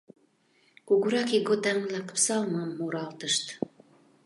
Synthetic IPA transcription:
kuɡuɾɑkiɡot̪æŋlɑkə̥̆psɑlmɑmːuɾɑlt̪əʃt̪

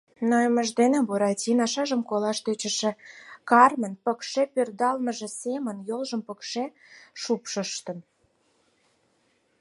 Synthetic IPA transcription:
nojəməʒd̪enebuɾɑtʲinɑʃɑʒəmkolɑʃt̪øt͡ɕə̆ʃĕkɑrmənpəkʃepørd̪ɑlməʒĕsemənjolʒəmpəkʃe | ʃupʃəʃt̪ə̆n

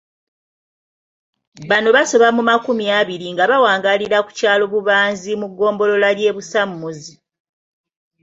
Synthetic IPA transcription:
βano̞βaso̞βamumakumiaβiɾiŋɡaβawaːŋɡaliɾaku̥caːlo̞βuβaːnzimuɡːo̞ːmbo̞lo̞lalje̞ːβusamːuzi

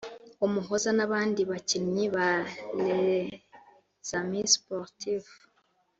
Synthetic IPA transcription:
omuɦozanaβaːndiβaciɲiβale | z̥amispoɾtiv

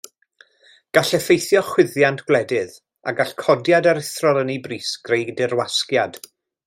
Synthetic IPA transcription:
ɡ̥aɬɛfejθjɔχwɪðjantʰɡ̥wlˠɛdɪð | aɡaɬkʰɔdjadaɾɪθrɔlˠənibriːsɡ̥rejdɪrwaskjad̥

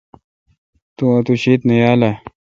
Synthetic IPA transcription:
t̪uɐt̪uɕet̪nɐjaːla

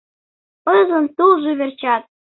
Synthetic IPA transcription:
ɤzə̆nt̪ulʒyβert͡ɕɑt̪̚

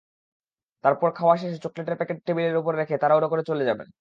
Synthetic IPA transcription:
t̪aɾpɔɾkʰaoaʃ̬eʃt͡ɕokleʈeɾpɛkeʈ̚ʈʰebileɾupoɾːekʰet̪aɾaoʈokoɾet͡ɕoled͡ʑabḛn

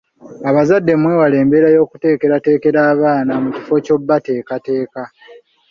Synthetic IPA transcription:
aβazadːe̞mwe̞ːwale̞ːmbe̞ɾajo̞ːkute̞ːke̞ɾate̞ːke̞ɾaːβaːnamuci̥fo̞co̞bːate̞ːkate̞ːka

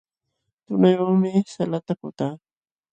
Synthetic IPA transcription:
t̪ʊnajoŋmɪsalat̪akʊt̪aː

